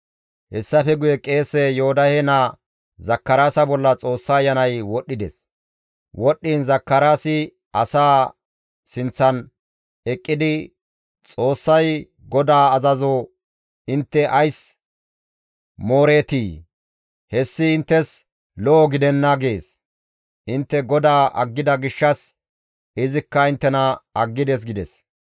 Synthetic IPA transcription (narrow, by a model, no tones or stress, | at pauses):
hɛsːɐfɛɡʊjɛkʼe̞ːsɛjohɔd̪ɐhenɐ | zɐkːɐɾaːsɐbɔlːɐt͡sʼo̞ːsːɐːjːɐnɐjwɔɗːɪd̪ɛ̰s | wɔɗːiːnzɐkːɐɾaːsɪ | ɐsaː | sɪnt͡sːɐn | ɛkʼːɪd̪ɪ | t͡sʼo̞ːsːɐj | ɡɔd̪aːɐzɐzo | ɪnt̪ːɛʔɐjs | moːɾe̞ːt̪iː | hɛsːɪːnt̪ːɛs | lɔːɡɪd̪ɛnːɐɡe̞ːs | ʔɪnt̪ːɛɡɔd̪aːʔɐ̰ɡːɪd̪ɐɡɪʃːɐs | ɪzɪkːɐɪnt̪ːɛnɐɐɡːɪd̪ɛs̬ɡɪd̪ɛs